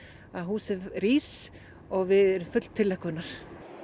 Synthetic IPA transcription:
aðɦuːsɛvriːs | ɔɣvɪðɛɾʏmfʏt̪l̥t̪ʰɪlːɛhkœnːaɾ̥

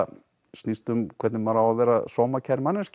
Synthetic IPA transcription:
snist̪ʏmkʰvɛt̪nɪvaɾawavɛːɾasɔmacʰaɾmanːɛsc

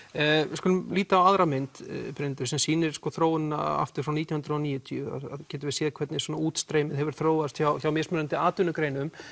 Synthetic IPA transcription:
ɪskʏlʏmliːt̪aːwaðɾamɪnt̪pɾɪnt̪ʏsɛmsiːnɪɾ̥skɔθɾoːwɪna̰a̰ft̪ʏ̥fɾawnit̪jnhʏnɾɔniːjʏt̪ʰiʏa̰ðaðcɛːt̪ɪvɪsjɛːðkʰvɛt̪nɪsɔːnauːt̪st̪ɾeːjmɪðɦɛvɾ̥θɾoːwvast̪çawθjawmɛːsmʏɾant̪ɪaːt̪ʏnʏkɾeːjnʏm

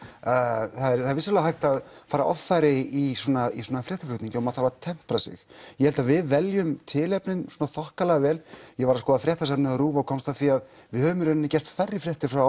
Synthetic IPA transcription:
θaðɛɾθaɾvɪsalɛɣaɦajht̪aðfaːɾa̰ʔɔ̰ffajɾɪisɔːnaisɔːnafɾjɛht̪aflʏht̪nĩɲcɪɔmaðθaɾvaðt̪ʰɛm̥pɾasɪ̰xjɛhɛlt̪avɪðvɛljʏmt̪ʰɪːlɛpnɪnswɔːnaθɔhkalɛɣavɛːljɛɣvaɾaskɔːðafɾjɛht̪asɛpnɪðaɾuːvaɔkʰɔmst̪aθiaðvɪðhœvʏmɾʏɾnnːɪcɛr̥st̪fajrːɪfɾjɛht̪ɪɾ̥fɾaw

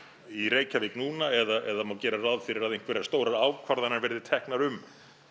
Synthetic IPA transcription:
iɾeːjcavɪknuːnaɛðaɛðamawcɛːɾarawðfɪɾɪɾaðẽjŋ̥kvɪɾɛ̥st̪oːwɾaɾaːwkʰvaɾðananvɛɾðɪt̪ʰɛhknaɾʏm

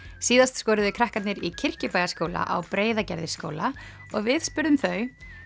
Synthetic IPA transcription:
siːðast̪skɔːɾʏðʏkʰɾahkat̪nɪɾicʰɪr̥cɪpaːjɣaskoːwla̰ʔa̰wpɾeːjðacɛɾðɪsko̰ːwla | ɔɣvɪðspʏɾðʏmθœɥ

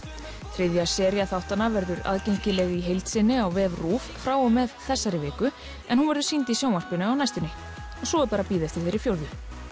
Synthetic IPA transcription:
θɾɪðjḁsɛːɾjaθawht̪anːavɛɾðʏɾa̰ðcejŋ̥cɪlɛɣiɦejlt̪sɪnːɪawvɛːvruːffɾaːwɔmɛðθɛsːaɾɪvɛːkʏ | ɛnhunvɛɾðʏ̥sint̪isjawmar̥pɪnʏawnajst̪ɪnːɪ | ɔsɔɛɾpaːɾapiːðɛft̪ɪ̥θejɾɪfjowɾðʏ

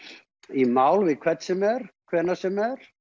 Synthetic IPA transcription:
imaːwlvɪðkʰvɛt̪sɛmɛɾ̥kʰvɛːnasɛmɛɾ̥

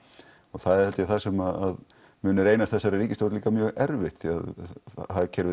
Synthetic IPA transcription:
ɔɣθaðɛɾhɛlɪaθasɛmaðað | mʏːnʏɾeːjnast̪θɛsːajɾaɾiːcɪst̪owɾt̪liːkamjœːɣɛɾvɪht̪θiaðhaðɾcʰɛɾvɪ

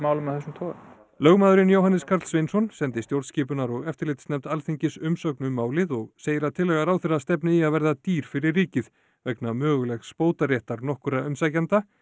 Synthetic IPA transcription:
maːwlʏmːaðθɛs̬ːʏmt̪ʰɔː | lœɣmaːðʏɾɪnjowɦanɪskʰaɾt̪svejnsɔnsɛnt̪ɪst̪jowɾðscɪːpʏnaɾɔɣɛft̪ɪɾlɪːt̪snɛmt̪alθiɲcɪsʏmsœknʏmaːwlɪðɔɣseːjɪɾat̪ʰɪlːɛɣaɾaːwθɛrast̪ɛpnɪiaðvɛɾðat̪iːɾ̥fɪɾɪrːiːcɪð | vɛknamœːɣʏlɛxspoːwt̪arjɛːht̪aɾnɔhkʏɾaʏmsajcant̪a

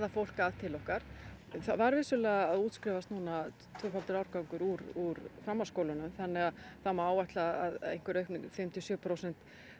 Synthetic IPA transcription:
ðafowl̥kaðt̪ʰɪlːɔhkaɾ̥ | θavaɾvɪsʏlɛːɣaːðuːt̪skɾɪvast̪nuːna | t̪ʰvœːfalt̪ʏɾawɾkawŋkʏɾuɾuɾfɾamːaskoːwlʏnʏmθanːɛɣaðθamaaːwvaht̪laaðḛjn̥kvɪɾœɥhknfɪmt̪ʰiɔsjœʏpʰɾowsɛn̥t̪

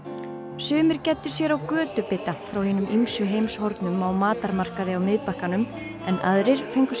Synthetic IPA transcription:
sʏːmɪɾ̥cɛt̪ːʏ̥sjɛɾawkœːt̪ʏpɪt̪ːafɾawhɪːnʏmʔimsʏɦejmshɔɾt̪nʏmawmaːt̪aɾmar̥kaðɪawmɪðpahkanʏm | ɛna̰ðɾɪɾ̥fejŋkʏ̥s

